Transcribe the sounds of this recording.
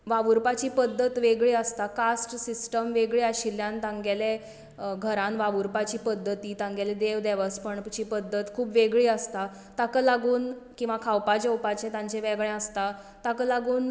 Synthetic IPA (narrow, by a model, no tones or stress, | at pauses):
ʋaʋuɾpat͡ɕiːpəd̪ʱːət̪ʋeɡɭiːəst̪akasʈsisʈəmʋeɡɭeaɕiljãnt̪ãŋɡele | ɡʱəɾãnʋaʋuɾpat͡ɕiːpəd̪ʱːət̪iːt̪ãŋɡaled̪eʋd̪ɛʋəspəɳt͡ɕiːpəd̪ʱːət̪kʰuːpʋeɡɭiːəst̪a | t̪akəlaɡuːnkĩw̃ʋakʰawpad͡ʑəwpat͡ɕẽt̪ãɲt͡ɕẽʋɛɡɭɛ̃əst̪a | t̪akəlaɡuːn